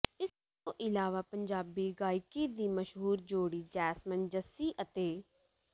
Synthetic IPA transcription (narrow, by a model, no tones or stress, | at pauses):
ɪst̪õːʔɪlaːʋaːpəɲd͡ʒaːbiːɡaːikiːd̪iːməʃɦuːɾd͡ʒoːɽiːd͡ʒɛːsmənd͡ʒəsiːʔət̪eː